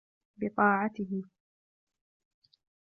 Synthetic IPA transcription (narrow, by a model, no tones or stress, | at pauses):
bɪt̪ˤɑːʕat̪ɪɦɪ